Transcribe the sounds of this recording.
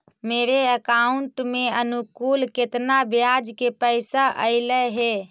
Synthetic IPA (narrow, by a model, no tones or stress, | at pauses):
meɾeəkauɳʈmeənukulket̪nabjad͡ʒkepəɪsaʔəɪləɦe